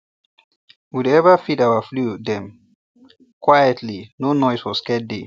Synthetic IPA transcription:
wudɛvafidawafludɛ̃m | kwajətlinonɔjswɔskɛt̚dḛ

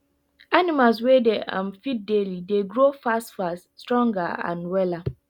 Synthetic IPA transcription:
animals̬wɛdeʔã̰mfit̚delideɡɹofastfas | stɹɔ̃ŋɡaã̰nwɛla

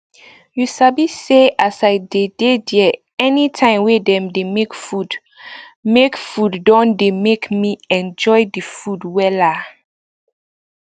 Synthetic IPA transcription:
jusabiseasaɪdededɛ | ɛnitʰãɪ̃mwedɛ̃mdemekfud | mekfuddɔ̃ndemekmiɛ̃nd͡ʒɔjdifudwɛla

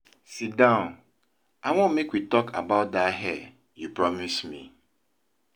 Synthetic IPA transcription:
sit̚dãʊ̃n | aɪwɔ̃nmekwitɔkʰa̰baʊt̚daɦɛ | jupɹɔmismḭ

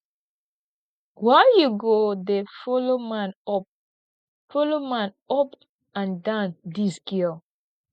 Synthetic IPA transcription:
wajuɡodefoloman | folomãn | ɔp | ãndãʊndiskiɔ

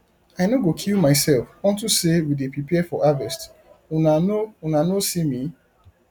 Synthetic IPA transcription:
aɪnoɡokʰilmaɪsɛlfwɔ̃ntusewidepipɛfɔʔavɛst | naounanosimi

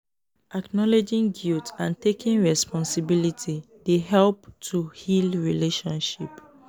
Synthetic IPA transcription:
ʔaknɔled͡ʒĩŋɡiltãntekĩnɹɛspɔ̃nsibilitʰi | deɦɛlp̚tʰuhilɹileʃɔ̃nʃḭp

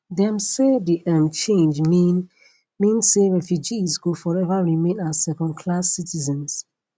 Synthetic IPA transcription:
dɛ̃msediʔɛ̃mt͡ʃẽnd͡ʒmin | mĩnseɹɛfjud͡ʒizɡofɔɹɛvaɹimẽnasɛkɔ̃ndkʰlasitizɛ̃ns

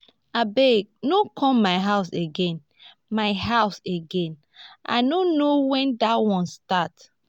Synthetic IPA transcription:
abeɡ̚nokʰɔ̃mmaɪɦaʊseɡɛ̃n | maɪɦaʊseɡɛ̃n | ʔa̰ɪnonowɛ̃ndawɔ̃nstat

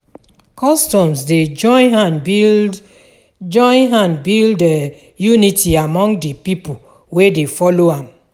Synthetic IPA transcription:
kʰɔstɔ̃msded͡ʒɔɪ̃nɦãnbi | d͡ʒɔ̃ɪ̃nɦãnbildɛ | junitiamɔ̃ŋɡdəpipo | wedefɔloãm

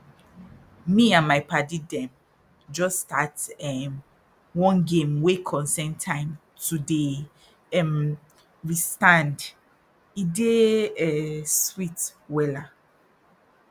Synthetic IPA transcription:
miãnmajpadidɛ̃m | d͡ʒɔstatɛm | wɔ̃nɡẽmwekʰɔ̃nsɛ̃ntʰãɪ̃m | tude | ɛm | ɹistãnd | ideɛswitwɛla

